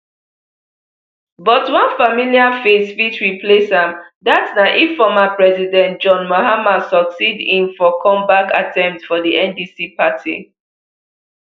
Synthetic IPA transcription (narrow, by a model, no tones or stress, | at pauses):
bɔtwãnfamiliafesfitwipʰlesãmdatsnaʔifɔmapɹɛzidɛ̃nt̚d͡ʒɔ̃nmohamasɔksidĩmfɔkʰɔ̃mbaka̰tʰɛ̃mp̚tfɔdiʔɛ̃ndisipʰatʰḭ